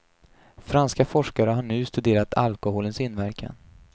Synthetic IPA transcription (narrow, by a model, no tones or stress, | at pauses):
fɾanskafɔʂkaɾəɦaɳʉ̟ːst̪ɵd̪eːɾat̪ʰa̰lkʊɦoːlənsɪnːvæɾkʰa̰n